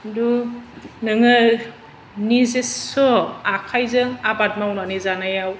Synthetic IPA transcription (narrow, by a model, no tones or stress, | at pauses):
du | nɯŋɯ | nizeɔakʰajzɯŋabat̚mawnanizanajaw